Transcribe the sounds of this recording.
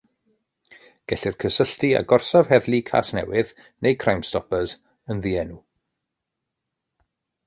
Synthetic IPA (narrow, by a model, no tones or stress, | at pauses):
ɡ̥ɛɬɪrkʰəsəɬtia̰ɡɔrsav̥ɦɛðlˠikʰa̰ːsnɛ̰wɪð | nʔejkʰrawmstɔpəz | ənðiɛnu